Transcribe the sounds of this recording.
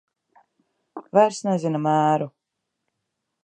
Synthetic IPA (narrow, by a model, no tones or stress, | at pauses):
vajɾsnɛzinamæːɾu